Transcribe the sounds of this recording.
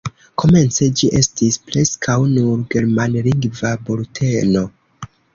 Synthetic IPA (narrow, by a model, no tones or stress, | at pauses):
ko̞me̞nt͡se̞d͡ʒiʔe̞stispɾe̞skʰawnuɾɡe̞ɾmanliŋɡvaboltʰe̞no̞